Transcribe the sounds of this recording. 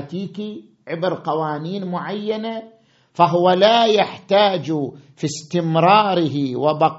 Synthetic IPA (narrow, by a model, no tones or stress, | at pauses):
t̪iːki | ʕɪbɾqawaːniːnmʊʕajːana | faɦʊwalaːjaħt̪aːd͡ʒfist̪ɪmɾˤɑːɾɪɦiwɪbɑq